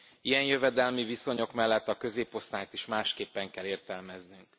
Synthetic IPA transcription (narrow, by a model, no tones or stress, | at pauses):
ijɛnjø̞vɛd̪ɛlmiviso̞ɲo̞kmɛlːɛt̪ːɒkø̞zeːpo̞st̪aːjt̪iʃmaːʃkeːpːɛŋkɛleːrt̪ɛlmɛznyŋk